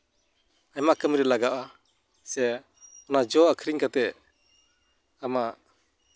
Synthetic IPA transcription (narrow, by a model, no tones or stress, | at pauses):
ajmakəmɾɛlaɡaʔa | sɛ | ɔnad͡ʒɔakʰɾiŋkat̪ɛ | ama